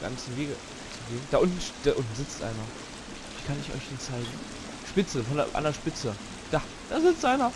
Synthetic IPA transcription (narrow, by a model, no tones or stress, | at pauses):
ɡ̥a̰nsn̩veːɡə | t͡suɡeːnd̥aːʔʊntn̩ʃd̥aʔʊntn̩zɪt͡stʔa̰ɪnɐ | viːkʰanɪçɔ̰ʏçd̥iːnt͡saɪɡŋ̩ | ʃpɪt͡səfɔndɐʔa̰ndeɐʃpɪt͡sə | d̥aː | d̥aːzɪt͡stʔaɪnɐ